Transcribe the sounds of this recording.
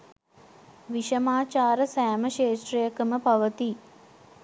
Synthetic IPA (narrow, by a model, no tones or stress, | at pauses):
ʋiʃɐmaːt͡ʃaːɾəsæːməʃeːʂrijəkəməpɐʋət̪i